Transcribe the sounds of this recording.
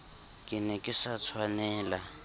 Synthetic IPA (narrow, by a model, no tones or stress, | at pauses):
kʼɪnɛkʼɪsat͡sʰwanɛːla